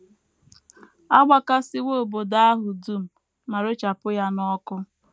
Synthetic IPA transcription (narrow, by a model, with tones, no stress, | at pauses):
a˦ɡ͡bʷa˨ka˦sɪ˦wo˦o˨bo˨da˦a˦ɦʊ˨du˦m̩˨ | ma˨ɾe˦t͡ʃa˨pʊ˦ja˦nɔ˦kʊ˦